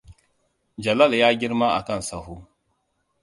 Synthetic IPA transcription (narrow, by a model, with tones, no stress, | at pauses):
d͡ʒa˨la˦lja˦ɡi˦ɾma˦a̰˨ka˦˨n˨sa˨ɦu˦